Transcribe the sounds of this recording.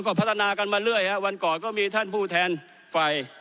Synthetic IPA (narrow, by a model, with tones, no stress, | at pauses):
kɔː˥˩pʰa˦˥t̪ʰːa˧naː˧ka˧nmaː˧lɯ˥˩əjhɛ˦˥wa˧nkɔː˨˩nkɔː˥˩miː˧t̪ʰa˥˩npʰuː˥˩t̪ʰɛː˧n | fa˧˩j